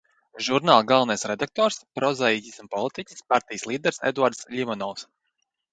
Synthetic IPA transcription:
ʒuɾnaːlˠɡalˠnajsɾɛd̪ak̚t̪ɔːɾspɾɔzɛicʲisunpɔlˠit̪icʲi̥spaɾt̪ʲijslˠiːd̪ɛɾsɛ̰d̪uaɾd̪slʲimɔnɔws

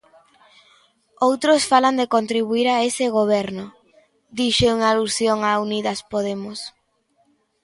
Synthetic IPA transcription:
owt̪ɾosfaland̪ekont̪ɾiβ̞uiɾaesɪɣoβ̞ɛɾnʊ | d̪iʃeuŋalusjoŋauniðaspoð̞emʊs

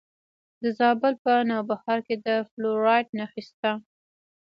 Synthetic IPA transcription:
d̪əzɑbəlpənɑwbahɑɾked̪əfloɾɑjʈnaxist̪a

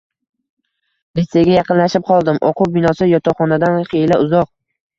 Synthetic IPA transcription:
deseɡʲajɑqɨnlaʃɪp̚qʰɒlˠd̪ɪmʔɒqʊbɪnɒsɪjɒt̪ʰɒχɒnad̪anχejlaʊzɒq̚

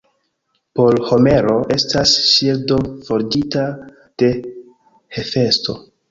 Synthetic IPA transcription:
po̞lho̞me̞ɾo̞ʔe̞stasʃildo̞fo̞ɾdita | d̥e̞ | he̞fe̞sto̞̰

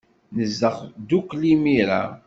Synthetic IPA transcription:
nəzːəʁd̪ukːlimiɾa̰

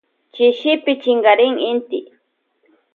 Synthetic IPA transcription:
t͡ʃɪʃɪpɪt͡ʃɪŋɢɑɾɪŋɪnt̪ɪ̰

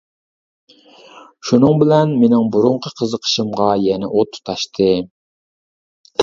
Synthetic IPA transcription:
ʃunɨŋbɪlɛnmenɪŋbuɾʊɴqʰəqʰəzəqʰə̥ʃɨmʁɑjɛnɛʔot̪ʰːu̥t̪ʰɑʃt̪ʰɨ

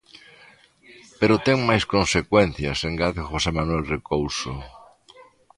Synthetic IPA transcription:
peɾot̪ɛŋmajskonsekwɛn̟θjɐseŋɡaðxosemanwɛlrekowso

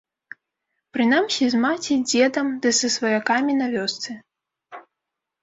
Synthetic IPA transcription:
pɾɨnamsʲizmat͡sʲid͡zʲɛd̪ɐmd̪ɨsɐsvɐjakamʲinɐvʲɔst̪sɨ

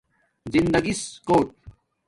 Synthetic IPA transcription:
zind̪ɐɡiskoːʈ̚

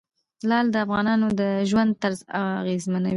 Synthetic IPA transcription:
lɑld̪əafɣɑnɑnod̪əʒwand̪̚t̪aɾza̰ɣezmanawi

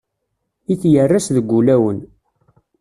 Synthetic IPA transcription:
iθjərːæsðəɡʷːulæwən

